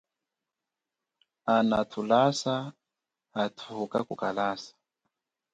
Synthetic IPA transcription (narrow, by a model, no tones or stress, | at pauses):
anatʰulasaː | tʰuka̰kukalasḁ